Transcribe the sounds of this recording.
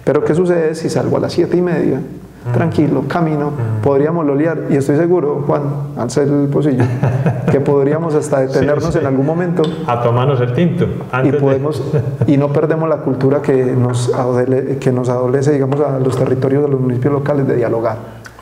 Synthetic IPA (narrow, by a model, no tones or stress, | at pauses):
pe̞ɾoke̞s̬us̬eðeesisalɡoa̰lʔa̰sje̞t̪eime̞ðja | t̪ɾaŋkilokamĩno̞po̞ðɾiamozloljaɾie̞st̪o̞jse̞ɣuɾoxwan | a̰lselpos̬iʝoke̞poðɾiamo̞sast̪aðet̪eneɾno̞senalɣunmo̞mẽnt̪oat̪omanoselt̪int̪o | aipoðemosino̞pe̞ɾd̪emozlakult̪uɾakenosaðelekenos̬aðole̞s̬eðiɣamosalost̪e̞rit̪o̞ɾjozdelosmunisipjo̞zlo̞kalezd̪e̞̰ðjalo̞ɣaɾ